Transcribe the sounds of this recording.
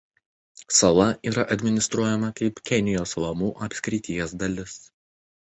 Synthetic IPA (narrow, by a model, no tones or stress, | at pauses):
sɐlˠɐʔiːɾɐʔɐd̪ʲmʲɪnʲɪst̪ɾuɔjɛmɐkɐɪpkʲɛnʲɪjoːslˠɐmuːʔɐpʲsʲkʲɾʲɪt̪ʲɪjɛs̬d̪ɐlʲɪs